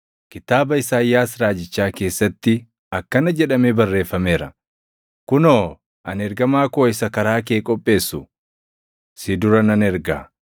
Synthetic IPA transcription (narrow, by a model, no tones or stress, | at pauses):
kɪt̪aːbɐɪsaːjːaːsɾaːd͡ʒɪt͡ʃːaːke̞ːsːɐt̪ːɪ | ɐkːɐnɐd͡ʒɛᶑɐmebɐrːe̞ːfːɐme̞ːɾɐ | kʊnoː | ʔɐnɛɾɡɐmaːko̞ːɪsɐkɐɾaːkeːkʼɔpʼːe̞ːsːʊ | sɪd̪ʊɾɐnɐnɛɾɡa̰ː